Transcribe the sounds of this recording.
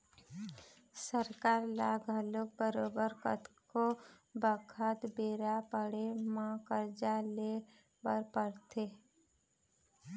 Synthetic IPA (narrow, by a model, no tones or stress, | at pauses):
səɾkaːɾlaːɡʱəlok̚bəɾoːbəɾkət̪ko | bəkʰət̪beːɾapəɽemãkəɾd͡ʒale | bəɾpəɾt̪e